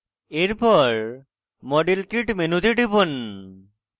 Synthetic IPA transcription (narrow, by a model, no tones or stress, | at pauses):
eɾpɔɾ | mɔɖilkiʈmenud̪ʱiɖibon